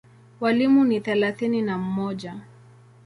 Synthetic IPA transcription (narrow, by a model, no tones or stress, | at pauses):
walimuniθɛlaθininam̩mɔʄa